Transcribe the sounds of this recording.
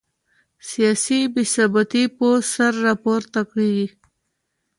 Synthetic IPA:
sijɑsibɪsɑbat̪iposaɾːɑpoɾt̪akɽid̪i

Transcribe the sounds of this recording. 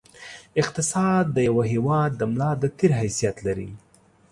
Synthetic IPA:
ɪq̚t̪ɪsɑd̪ːəjawaɦewɑd̪̚ːəmlɑd̪ət̪eɾɦajsijat̪laɾḭ

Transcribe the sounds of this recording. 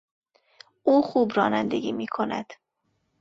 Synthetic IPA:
ʔuːxuːbɾɒːnænd̪eɡiːmiːkʰo̞næ̰d̪̥

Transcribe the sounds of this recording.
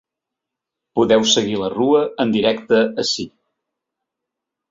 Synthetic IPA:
puðɛwsəɣiləruəənd̪iɾɛkt̪əːsi

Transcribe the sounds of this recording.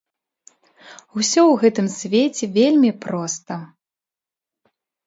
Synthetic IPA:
usʲɔwɣɛt̪ɨmsʲvʲet͡sʲɛvʲelʲmʲipɾɔst̪ɐ

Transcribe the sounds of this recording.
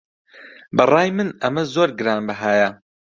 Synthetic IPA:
bɐrˤɑːjmɨnɐmɐzoːɾɡɨɾaːnbɐɦaːjɐ

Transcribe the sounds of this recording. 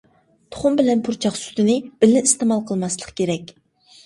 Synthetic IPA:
t̪ʰo̥χʊmbɪlɛnpʰuɾt͡ʃʰɑχsy̥t̪ɪnɪb̥ɪlɪnist̪emɑlˠqʰəlˠmɑslˠəqkʲeɾɛkʲ

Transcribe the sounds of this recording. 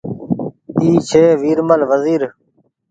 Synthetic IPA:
iːt͡ʃʰeːʋiːɾməlʋəziːɾ

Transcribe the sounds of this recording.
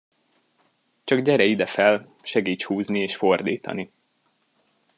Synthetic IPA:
t͡ʃɒɡɟɛɾɛid̪ɛfɛl | ʃɛɡiːt͡ʃhuːznieːʃfo̞rd̪ḭːt̪ɒ̰ni

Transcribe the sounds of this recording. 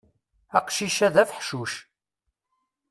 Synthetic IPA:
æqʃiʃæðæfħʃuʃ

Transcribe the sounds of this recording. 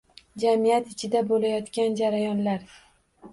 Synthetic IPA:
d͡ʒamijat̪ɪt͡ʃʰɪd̪abolajɒt̪kʲand͡ʒaɾajɒnlaɾ

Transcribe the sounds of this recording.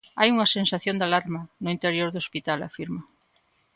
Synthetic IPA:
ajuŋɐsensaθjõnd̪alaɾmɐnʊint̪eɾjoɾðospit̪ala̰fiɾmɐ

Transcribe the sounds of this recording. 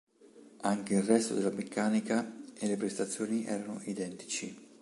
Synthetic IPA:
aŋk̟eilrːɛst̪o̰d̪elːamekʰːaːnikaelːepɾest̪at̪sːjoːniʔɛ̰ːɾano̰ʔid̪ɛnt̪i̥t͡ʃi

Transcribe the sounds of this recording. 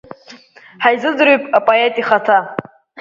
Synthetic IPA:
ħajzɨd͡zɾuɥpʼapʼoetʼiχatʰa

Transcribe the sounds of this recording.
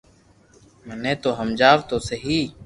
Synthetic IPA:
mənẽːt̪oːɦəmd͡ʒaːʋt̪oːseɦiː

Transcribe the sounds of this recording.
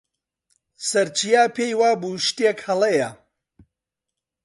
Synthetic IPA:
sɐɾt͡ʃʰijaːpʰejwaːbuːʃt̪ekhɐlˠejɐ

